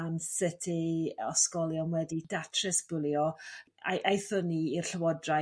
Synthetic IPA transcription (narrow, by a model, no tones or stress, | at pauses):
ansɪtʰiɔ̰skɔlˠjɔnwɛdid̥atʰrɪsb̥ʊlˠjɔ | a̰ʔajθəniir̥ɬəwɔdra